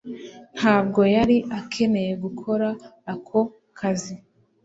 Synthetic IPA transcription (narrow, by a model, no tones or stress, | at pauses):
n̥haːbɡo̞jaɾiʔakʰe̞ne̞je̞ɡukʰo̞ɾaːkʰo̞ | kʰazi